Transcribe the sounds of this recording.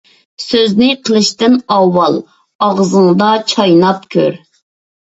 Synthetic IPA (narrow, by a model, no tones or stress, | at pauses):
søznɪqʰəlˠɨʃt̪ɨnɑwːɑlˠ | ɑʁzɨŋɨd̪ɑt͡ʃʰɑjnɑpkʲʰøɾ